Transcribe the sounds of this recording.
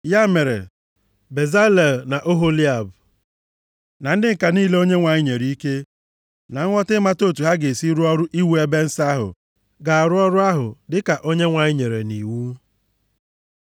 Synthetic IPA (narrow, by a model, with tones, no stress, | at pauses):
ja˦me˨ɾḛ˨ | be˨za˦le˨na˨ʔo˦ɦo˦li˦a˨b | na˨n̩˦dɪ˦ŋ̩˨ka˨niː˦le˦o˦ɲe˦ŋʷa˨ɲɪ˦ɲe˨ɾi˨˦i˦ke˦ | na˨ŋ̩˦ŋɔ˦tɪ˦ma˦to˦˨tu˨ɦa˦ɡe˨si˦ɾu˦ɔ˦ɾʊ˦ʔi˦wu˦e˦be˦n̩˦sa˦a˦ɦʊ̰˨ | ɡa˨a˨ɾʊ˦ɔ˦ɾʊ˦a˦ɦʊ˨dɪ˦ka˨ʔo˦ɲe˦ŋʷa˨ɲɪ˦ɲe˨ɾe˨ni˨wu˦